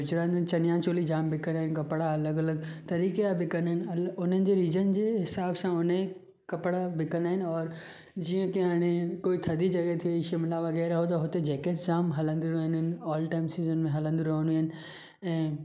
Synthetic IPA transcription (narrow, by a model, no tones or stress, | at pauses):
ʊd͡ʑɾaːnt͡ɕɐnɪjãt͡ɕoːlid͡ʑaːmbɪkɐnaːɦɪ̃nkɐpɽaɐləɡɐləɡt̪ɐɾiːkeabɪkɐnɦɪnɐlʊn̤ənɪ̆d͡ʑeɾiːzən̆d͡ʑeːɦɪsaːbsãʊne | kɐpɽabɪkɐnaːɦɪnɪɔːɾ | d͡ʑiːə̃keɦaːɽ̃ekoːit̪ʰɐd̪id͡ʑɐɡɛt̪ʰiiʃɪmɪlaʋɐɣɛːɾaɦot̪ɐɦʊt̪ed͡ʑɛːkeʈd͡ʑaːmɦɐlə̃nd̪iɾɐɦənɪnɔːlʈaːɪmsiːzənmẽɦɐlə̃nd̪iɾɐɦə̃nuɦɪnɪ̆ | ɛ̃ː